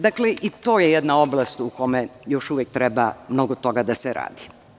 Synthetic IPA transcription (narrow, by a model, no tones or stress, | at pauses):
d̪akleʔit̪o̞ːjejɛd̪naoblˠast̪uko̞mejoʃuʋjek̚t̪ɾɛbamno̞ɡot̪o̞ɡad̪aseɾa̰ːd̪i